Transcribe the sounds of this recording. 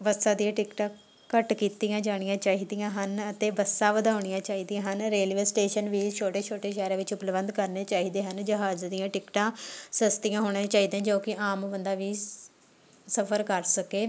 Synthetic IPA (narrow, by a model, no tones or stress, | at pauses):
ʋəsãːd̪ijãːʈɪkʈãː | kəʈkiːt̪ijãːd͡ʒaːɽ̃ijãːt͡ʃaːiːd̪ijãːɦənət̪eːbəsãːʋəd̪aːʊɽ̃ɪjãːt͡ʃaːɦiːd̪ijãːɦənɾeːlʋeːsʈeːʃənʋiːt͡ʃʰoːʈeːt͡ʃʰoːʈeːʃɛːɾẽːʋɪt͡ʃʊpləbənd̪kəɾneːt͡ʃaːiːd̪eːɦənd͡ʒəɦaːd͡ʒd̪ijãːʈɪkʈãːsəst̪ijãːɦoːɽ̃ẽːt͡ʃaːɦiːd̪ãːd͡ʒoːkɪʔaːmːbənd̪aːʋiː | səpʰəɾkəɾsəkeː